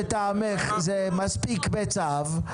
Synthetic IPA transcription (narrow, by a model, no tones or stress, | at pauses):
t̪ameχzemaspikbet͡sav